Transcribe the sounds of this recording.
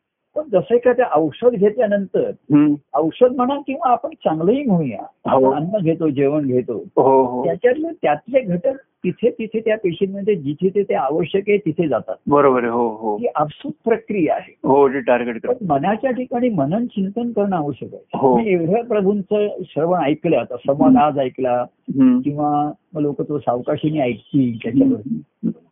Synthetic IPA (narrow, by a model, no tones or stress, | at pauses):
pəɳd͡zəsəjkʰat̪jaʔəwʂəd̪ɡʱet̪ljanənt̪əɾəwʂəd̪̚m̤əɽ̃ankĩw̃ʋaːpəɳt͡sãŋɡləɦiːmũja̰ɦpəɳanːəɡʱet̪od͡ʑeʋənɡʱet̪o̰ɦoɦ̪jat͡ɕjat̪let̪jat̪leɡʱəʈət̪it̪ʰet̪it̪ʰet̪japeɕinməɖ̪d̪ʱjed͡ʑit̪ʰet̪ʰet̪jaaʋəɕjəkɦet̪it̪ʰed͡zat̪a̰t̪bəɾobəɾɦoɦokiːʔəpsud̪̚ʱpɾəkɾijaa̰ɦeɦod͡ʑeʈaɾɡeʈkɾənmənat͡ɕjaʈʰikaɽ̃iːmənənt͡ɕint̪ənkəɾɳaʋuɕəka̰jɦomieʋɽ̤apɾəbʱunt͡səɕɾəʋəajkleat̪asəmənad͡zajkla | kĩw̃ʋaməɡlokət̪osaʋkaɕiniajkk̪iːt̪jat͡ɕjaʋəɾt̪i